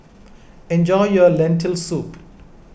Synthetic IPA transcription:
ɛ̃nd͡ʒɔjjɔlɛ̃ntʰɛlsup

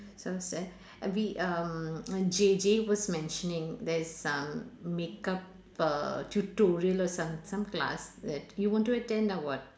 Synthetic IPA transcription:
ssɛ | ʋiʔə | d͡ʒed͡ʒeʋɔzmɛ̃nʃənɪ̃ŋd̪ɛɾzə̃mːeːkʌp | ʈuʈoːɾiəlɔsʌ̃msɐ̃mkla̰sd̪ɛʈjuʋɔ̃ːɳʈuəʈɛ̃nɖaʋəɖ

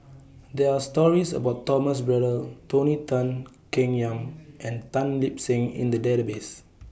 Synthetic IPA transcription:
dɛastɔɹisə̰baʊtːɔməs̬bɹɛdətonitə̃n | kĩŋjãmʔɛ̃ntãnlip̚sĩŋḭ̃ndədɛɾəbes

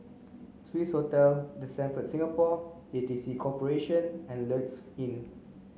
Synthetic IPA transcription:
switshotɛldəsɛ̃nfətsĩŋapɔd͡ʒedisikʰɔpəɹeʃə̃nɛ̃nlətsĩn

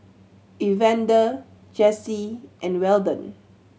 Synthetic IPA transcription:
ivɛ̃ndə | d͡ʒɛsiʔɛ̃nwɛldə̃n

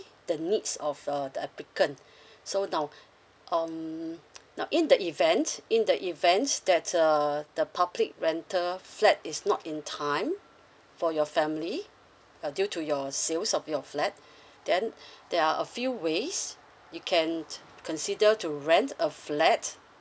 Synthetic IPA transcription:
d̥ənitsɔfʌdəɛplikə̃n | sonaʊ | ʔam | naʊʔĩndəʔivɛ̃ntĩndəʔivɛ̃ntsdɛt̚əd̥əpʰablik̚ɹɛ̃ntʰəflɛt̚ɪsnɔtĩntʰãɪ̃m | fɔjɔfɛ̃mli | djutʰujɔselsɔfjɔflɛt̚ | d̥ɛ̃ndɛaʔəfjuwes | jukʰɛ̃n | kʰɔ̃nsidətuɹɛ̃ntəflɛt

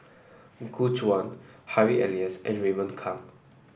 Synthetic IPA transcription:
ɡut͡ʃwãnhaɹiʔɛliəsʔɛ̰̃nɹimə̃nkʰãm

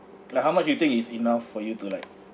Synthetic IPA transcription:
lakɦaʊmat͡ʃjut̪ĩŋkisinafːɔjutulaɪk̚

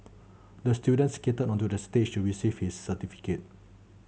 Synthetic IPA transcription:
dəstjudə̃nsketədɔ̃ntudəstet͡ʃtuɹisivhisːətifi̥ket̚

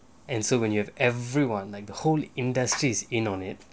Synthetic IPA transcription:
ɛ̃nsowɛ̃njuhɛvɛvɹiwãnlaɪk̚dəholĩndəstɹisĩnɔ̃nɪt̚

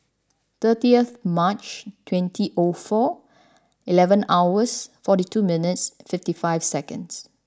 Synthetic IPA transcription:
t̪ətiəθmat͡ʃtʰwɛ̃ntʰiʔofɔ | ilɛvə̃nawəsfɔtitʰumɪnɪtsfɪftifaɪvsɛkə̃ns

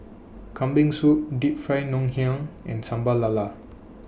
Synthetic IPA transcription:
kʰambiŋsudip̚fʰɾajnɔŋɦĩaŋɛ̰̃nsambalala

